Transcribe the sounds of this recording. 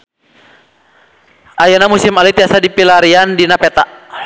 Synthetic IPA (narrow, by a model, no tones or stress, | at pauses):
ʔajanamusimalit̪iasadipilaɾiandinapɛt̪a